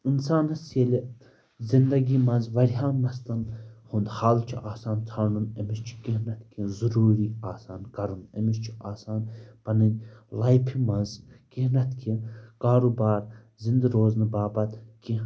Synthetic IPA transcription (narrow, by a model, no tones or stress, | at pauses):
insaːnɐsielʲi | zind̪ɐɡiːmɐnzʋɐɾɦaːnmɐst̪ɐnhund̪haːlt͡ʃʰiʔaːsaːnt͡s̪ʰaːɾɳunɐmist͡ʃʰi̥kiɦnɐt̪kizuɾuːɾiːaːsaːnkɐɾunɐmist͡ʃʰi̥aːsaːnpɐnɐnʲlajpʰimɐnzkiɦnɐt̪kʰikaːɾubaːɾ | zind̪ɾoːznɨbaːbɐt̪ki